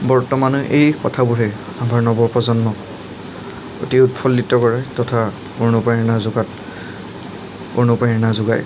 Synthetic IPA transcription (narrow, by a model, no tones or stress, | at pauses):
bɔɹtɔmanʊʔejkɔtʰabʊɹɛ | amaɹnɔbɔɹpɔzɔnːɔk̚ | o̰tiutpʰɔlːitːɔkɔɹajtɔtʰa | oɹnupajnazʊɡat | onupajnazʊɡaj